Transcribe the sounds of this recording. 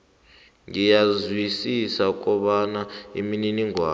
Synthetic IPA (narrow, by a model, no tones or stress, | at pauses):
ŋijazwisisak̬ʼɔɓanaḭmininiŋwa̰ː